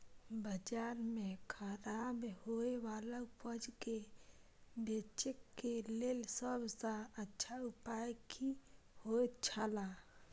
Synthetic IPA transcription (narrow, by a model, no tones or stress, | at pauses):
bəd͡ʒaːɾmẽkʰaɾabehoewaːlaʊpəd͡ʒke | beːt͡ʃekːeleːlsəbsaətːʃʰaʊpaːjkʰi | hot͡ʃʰala